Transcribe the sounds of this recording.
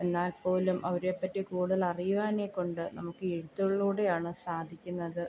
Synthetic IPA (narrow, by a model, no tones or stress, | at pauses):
e̞nːaːlpo̞ːlumʔɐʋɐɾe̞pːɐtːikuːɽɐlɐrijuʋaːnekːo̞ɳɖɨnɐmukːɨeɽut̪ːuɭɐɭːuːɽe̞jaːɳɨsaːd̪ʱikʲːunːɐðɨ